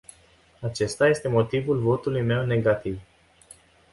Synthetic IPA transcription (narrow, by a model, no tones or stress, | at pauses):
at͡ʃe̞st̪aje̞st̪e̞mo̞t̪ivulvo̞t̪ulujme̞wne̞ɡat̪iv